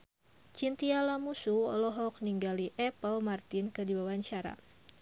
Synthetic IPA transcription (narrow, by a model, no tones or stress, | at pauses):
t͡ʃint̪ialamusuɔ̰lɔɦɔk̚niŋɡaliʔɛpəlmart̪inkədibawaɲt͡ʃaɾa̰